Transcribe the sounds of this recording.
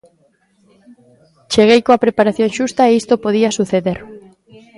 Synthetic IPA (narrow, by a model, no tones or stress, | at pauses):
t͡ʃeɣejkoapɾepaɾaθjoŋʃust̪aeist̪opoðiɐsuθeðeɾ